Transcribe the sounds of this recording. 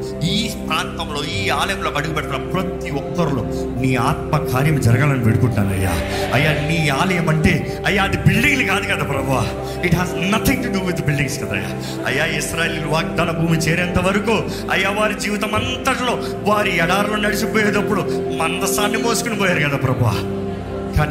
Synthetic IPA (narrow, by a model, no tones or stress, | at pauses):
iːpɾaːnt̪ɐmlo̞ːiːaːlɐjɐmlo̞ːɐɽuɡipɛʈːɐt̪ːnaːpɾɐt̪iɔkːɐɾulo̰ː | niːaːt̪̚mɐkaːɾjɐmd͡ʒɐɾɐɡaːlɐniʋeɽukuɳʈːa̰ːnɐ̰jːa̰ | ɐ̰jːaːniːaːlɐjɐmɐɳʈe̞ː | ɐjːaːd̪ibilɖiŋɡlukaːd̪ukɐd̪aːpɾɐbʱuʋa | iʈɦaːznɐt̪ʰiŋʈuɖubud̪bilɖiŋskɐd̪a̰jːa̰ː | ɐ̰jːaːisɾaːjeːliluʋaːɡ̚d̪aːnɐbʱuːmit͡ʃeːɾɛnt̪ɐʋɐɾɐkuː | ɐjːaːʋaːɾid͡ʒiːʋit̪ɐmɐnt̪ɐʈlo̞ː | ʋaːɾiɛɽaːɾloːnnɐɽisipoːjeːd̪ɐpːuɽumɐnd̪ɐsaːnːimoːsukunipɔːjaːɾukɐd̪aːpɾɐbʱuʋa̰ | kaːn